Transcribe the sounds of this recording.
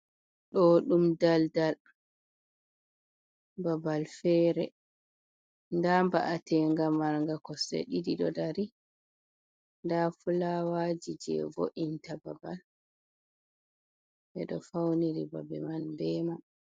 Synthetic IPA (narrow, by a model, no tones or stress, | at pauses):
ɗɔɗumdaldal | babalfɛɾɛ | ndamba̰ʔatɛŋɡamːaɾŋɡakɔsḛɗidiɗɔdaɾi | ndafulawad͡ʒid͡ʒɛ̰vo̰ʔintababal | bɛɗɔfawniɾiba̰bɛ̰manbɛma